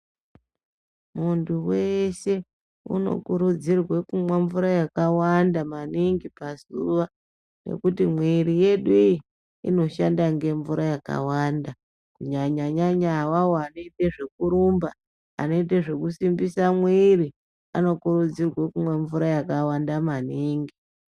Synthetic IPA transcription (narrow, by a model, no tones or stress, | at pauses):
munduweʃe̞ | ṵno̞̰kuɾud͡zirwekumweɱvuɾajakawandamaniŋɡipasuʋa | ne̞̰kutimwiɾije̞ɗuiji | ḭno̞ʃandaŋɡe̞ɱvuɾʔajaka̰wanda | kuɲaɲaɲaɲawawoano̞iteʐe̞kuɾumba | a̰no̞iteʐe̞kusimbisamwiri | ano̞kuɾud͡zirwakumweɱvuɾajakawandamaniːŋɡi